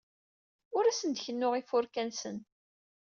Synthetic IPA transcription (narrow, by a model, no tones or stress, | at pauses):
ʊɾæsənd̪əçənːʊʁifʊɾkænsən